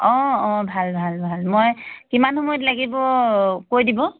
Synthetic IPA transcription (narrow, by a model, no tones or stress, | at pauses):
ɔ̃ɔ̃bʱalbʱalbʱalmojkimanhomɔjɔtlaɡibɔkojdibɔ